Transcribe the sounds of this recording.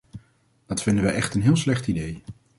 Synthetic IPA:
d̥ɑtfɪndəʋəjʔɛχtənɦɪːlˠslɛχtidej

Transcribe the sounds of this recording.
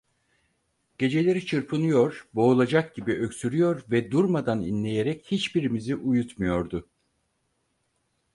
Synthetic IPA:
ɟ̥e̞d͡ʒe̞lʲe̞ɾit͡ʃʰɯɾpʰɯnɯjo̞ɾbo̞ːlˠad͡ʒak̚ɟibiʔø̞ksyɾyjo̞ɾvɛd̪uɾmad̪anḭnlʲe̞jeɾɛchit͡ʃbiɾimiziʔujut̪mujo̞ɾd̪ʊ

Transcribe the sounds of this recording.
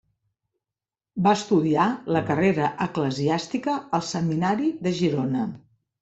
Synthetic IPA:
baəst̪uðialəkəreɾəʔəkləziast̪ikəəlˠsəminaɾiðəʒiɾonə

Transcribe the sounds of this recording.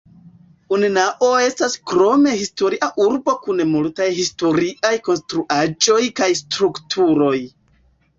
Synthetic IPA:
uninaʔoe̞staskɾo̞me̞histo̞ɾiʔaʔuɾbo̞kunmultajhisto̞ɾiʔajko̞nstɾuʔad͡ʒo̞jkajstɾuktʰuɾo̞j

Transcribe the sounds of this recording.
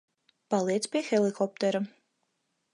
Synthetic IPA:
palˠiɛt̪spʲiɛxɛlˠikʰɔp̚t̪ɛɾu

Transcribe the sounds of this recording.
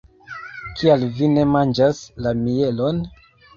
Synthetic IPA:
kʰialvine̞mand͡ʒaslamie̞lon

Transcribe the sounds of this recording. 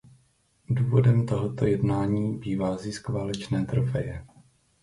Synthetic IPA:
duːvo̞dɛmt̪o̞ɦo̞t̪ojɛdnaːɲiːbiːvaːziskvaːlɛt͡ʃnɛːt̪ɾofɛ̰jɛ

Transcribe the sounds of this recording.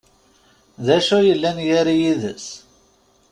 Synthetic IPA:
ðæʃujəlːænjaɾijiðə̰s

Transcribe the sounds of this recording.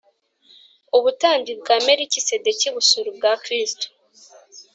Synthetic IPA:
oβutaːndib̚ɡaːmeɾicise̞deciβusuɾubɡakɾisto̥

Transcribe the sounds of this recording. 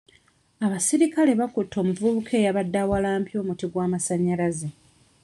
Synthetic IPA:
aβasiɾikale̞βakutːo̞ːmuvuβukʰe̞ːjaβadːawalaːmpjo̞ːmutiɡwaːmasaɲːalaze

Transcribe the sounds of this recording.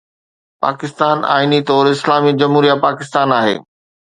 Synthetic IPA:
pa̰ːkɪst̪aːna̰ːinit̪ɔːɾɪslaːmid͡ʑɐmɦuːɾijapaːkɪst̪aːnaːɦḛː

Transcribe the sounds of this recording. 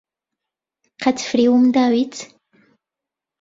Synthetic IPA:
qʰat͡sfɾiʊmd̪awit͡s

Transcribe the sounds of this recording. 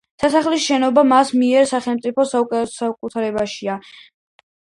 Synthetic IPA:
sasaχlisʃɛnɔbamasmiɛɾsaχɛlˠmt̪sʼipʰɔsasakʼut̪ʰaɾɛbaʃia

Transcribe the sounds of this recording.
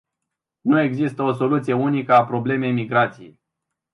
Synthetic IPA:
nue̞ɡzist̪əo̞so̞lut̪sijeunikəapɾo̞ble̞me̞jmiɡɾat̪sijḛj

